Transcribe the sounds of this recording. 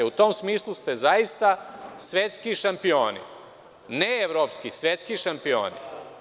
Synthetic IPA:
eut̪o̞ːmsmiːslˠust̪e̞zajist̪asʋe̞t̪skiʃampio̞ːnḭ | neeʋɾoːpskisʋet̪skiʃampio̰ːnḭ

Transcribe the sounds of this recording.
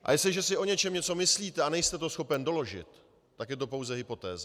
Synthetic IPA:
ʔa̰jɛst̪lɪʒɛsɪʔo̞ɲɛt͡ʃɛmɲɛt͡so̞mɪsliːt̪ɛanɛjst̪ɛt̪o̞sxo̞pɛndo̞lo̞ʒɪ̰t̪ː | akjɛt̪o̞po̞wzɛɦɪpo̞t̪ɛ̰ːza

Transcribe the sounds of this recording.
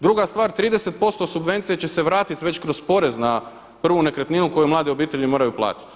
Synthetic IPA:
d̪ɾuɡast̪ʋaːɾt̪ɾiːd̪ese̞t̪̚po̞st̪o̞subʋe̞nt̪sijet͡ɕe̞se̞ʋɾaːt̪it̪ʋe̞t͡ɕkɾo̞spo̞ɾe̞zna | pr̩ʋune̞kɾet̪ninuko̞jumlˠaːd̪io̞biːt̪e̞ʎimo̞ːɾajuplˠa̰ːt̪i̥t̪

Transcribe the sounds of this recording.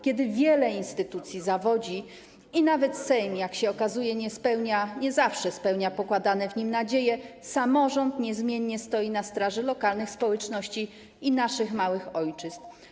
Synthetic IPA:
kʲjɛd̪ɘvʲjɛlɛinst̪ɘt̪ut̪sʲjizavɔd͡ʑi | inavɛt̪sɛjmjakɕɛɔkazujɛɲɛspɛwɲaɲɛzafʂɛspɛwɲapɔkwad̪anɛvɲimnad͡ʑejɛsamɔʐɔnt̪ɲɛzmʲjɛɲːɛst̪ɔjinast̪ɾaʐɛlɔkalnɘxspɔwɛt͡ʂnɔɕt͡ɕi | inaʂɘxmawɘxɔjt͡ʂɘst̪

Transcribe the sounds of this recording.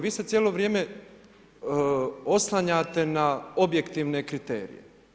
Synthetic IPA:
ʋiːse̞t̪sʲjeːlo̞ʋɾje̞ːme | o̞slˠaɲaːt̪enao̞bje̞kt̪iːʋne̞kɾit̪e̞̰ːɾḭjḛ

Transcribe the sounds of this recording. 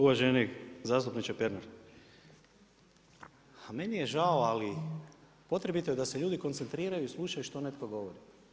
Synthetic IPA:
uʋaʒenikzaːst̪upnit͡ʃapeɾnoɾ | ame̞nijeʒaoali | po̞t̪ɾe̞bit̪ojed̪aseʎuːd̪iko̞nt̪se̞nt̪ɾiːɾajuislˠuʃajuʃt̪o̞ne̞t̪ko̞ɡo̞ʋoɾi

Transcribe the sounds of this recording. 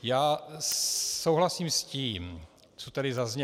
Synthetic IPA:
jaː | sowɦlasiːmsciːm | t͡sot̪ɛɾɪzazɲɛ

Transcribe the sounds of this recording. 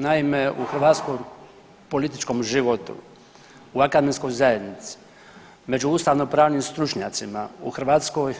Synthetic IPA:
naime̞uxr̩ʋaːt̪skoj | po̞lit̪it͡ʃko̞mʒiʋot̪ṵ | uakad̪eminsko̞jzaje̞d̪nit̪si̥ | me̞d͡ʒuuːst̪aːʋnopɾaːʋnimst̪ɾut͡ʃɲaːt̪simauxr̩ʋaːt̪skoj

